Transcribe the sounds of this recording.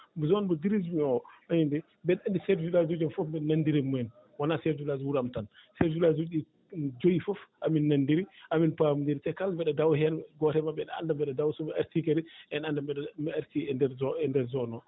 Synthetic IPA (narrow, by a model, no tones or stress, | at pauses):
zɔnbɔdiɾizmiɔaɲindɛ | mbɛnandisɛɾd͡ʒulad͡ʒud͡ʒɔnfɔfmbɛnandiɾimɔɛn | wanasɛɾd͡ʒulad͡ʒwuɾamtansɛɾd͡ʒulad͡ʒui | d͡ʒojifɔfʔaminːandiɾiʔaminpamndiɾitɛkalmbɛɗɛdawɦɛnɡɔtɛmabɛɗa̰ndambɛɗɛdawsɔbɛaɾtikɛɾɛɛnandambɛmɛaɾtiɛdɛɾɛndɛɾzɔnɔ